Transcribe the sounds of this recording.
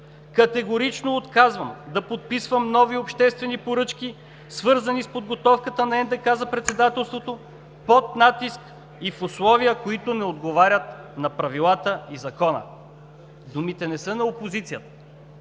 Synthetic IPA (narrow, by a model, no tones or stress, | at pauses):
kɐt̪ɛɡoɾit͡ʃnoːt̪kazvəmd̪ɐpot̪̚pisvəmnɔviopʃt̪ɛst̪vɛnipoɾɤt͡ʃk̟i | svɤɾzɐnispod̪̚ɡot̪ɔfkət̪ənɐɛnd̪ɛkazɐpɾɛt̪sɛd̪at̪ɛlˠst̪vot̪o | pot̪nat̪isk | ifʊslˠɔviəkoit̪ʊnɛod̪ɡovaɾʲət̪nɐpɾɐvilˠat̪əizɐkɔnə̰ | d̪umit̪ɛnɛsɤnɐopozit̪sijət̪ə̥